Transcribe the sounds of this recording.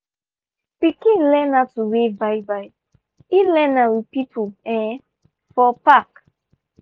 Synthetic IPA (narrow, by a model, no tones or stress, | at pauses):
pikĩlɛnatuwebajbai | ilɛnawipipʰuɛ̃ | fɔpak